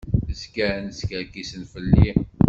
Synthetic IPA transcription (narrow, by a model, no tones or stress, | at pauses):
əskænəskəɾkisənfəlːi